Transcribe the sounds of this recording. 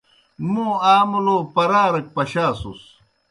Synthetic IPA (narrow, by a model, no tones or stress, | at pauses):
mũːaːmuloːpɐɾaːɾɐk̚pɐɕaːsṵs